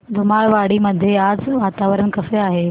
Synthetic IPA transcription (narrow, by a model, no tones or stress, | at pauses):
d̪ʱʊmaɭʋaɽiməd̪ʱːjeaːd͡zʋaːt̪aʋəɾənkɐfeaːɦe